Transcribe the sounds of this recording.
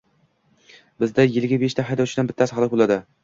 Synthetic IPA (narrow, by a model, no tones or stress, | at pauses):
bɪzd̪ajɪlɡʲabeʃt̪ʰaɦajd̪ɒwt͡ʃʰɪd̪anbɪt̪ʰːashɑlˠɨq̚bolˠad̪ɪ